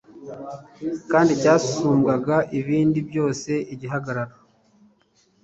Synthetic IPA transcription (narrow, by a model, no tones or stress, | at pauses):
kaːndicaːsu̥suːmɡaɡaʔiβiːndibjo̞ːse̞ʔiɟiɦaɡaɾaɾa